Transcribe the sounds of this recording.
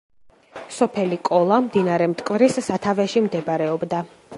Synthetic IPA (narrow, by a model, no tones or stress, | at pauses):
sɔpʰɛlikʼɔlˠamd̪inaɾɛmt̪ʼkʼvɾisːat̪ʰavɛʃimd̪ɛbɾɛɔbd̪a